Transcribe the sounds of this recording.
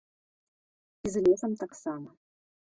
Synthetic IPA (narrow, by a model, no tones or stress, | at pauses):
izlʲesɐmt̪aksamɐ